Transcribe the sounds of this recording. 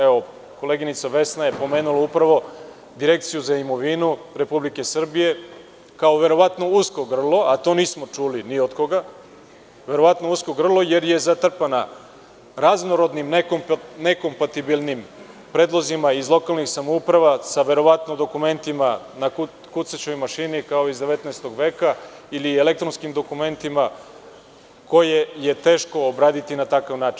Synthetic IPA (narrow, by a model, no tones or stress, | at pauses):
eo | ko̞le̞ɡinit̪saʋe̞snaje̞po̞me̞ːnulaupɾaʋo̞ | d̪iɾe̞kt̪sijuzaimo̞ʋinuɾe̞publike̞sr̩bije̞ | kao̞ʋe̞ɾo̞ʋat̪no̞usko̞ɡr̩lˠo̞at̪o̞niːsmo̞t͡ʂuliniod̪ko̞ɡa | ʋe̞ɾo̞ʋat̪nousko̞ɡr̩lˠo̞je̞ɾje̞zat̪r̩pana | ɾaznoɾo̞d̪nimnkne̞ko̞mpat̪ibilˠnim | pɾeːd̪lˠo̞zimaizlˠo̞kalˠnixsamoupɾaʋasaʋe̞ɾo̞ʋat̪nod̪o̞kume̞nt̪imanaku | kut̪sat͡ɕojmaʃinikao̞izd̪eʋet̪naɛest̪o̞ɡʋe̞ːkailiele̞kt̪ɾonskimd̪o̞kume̞nt̪ima | ko̞jeje̞t̪e̞ːʃko̞ːbɾaːd̪it̪inat̪akaʋnaːt͡ʃin